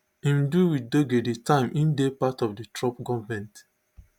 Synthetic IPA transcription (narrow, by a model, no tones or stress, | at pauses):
ĩmduwidoɡeditãɪ̃mĩndepatɔfditɹɔp̚ɡɔvmɛ̃nt